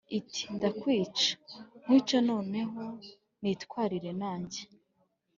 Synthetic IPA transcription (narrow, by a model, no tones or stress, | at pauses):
iti̥ndakwiːt͡ʃḁm̥iːt͡ʃono̞ːne̞ɦo̞ | nitkwaːɾiɾe̞naːɲɟe